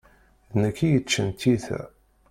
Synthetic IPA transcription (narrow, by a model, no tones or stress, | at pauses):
nəkːijət͡ʃːənt̪iθæ̰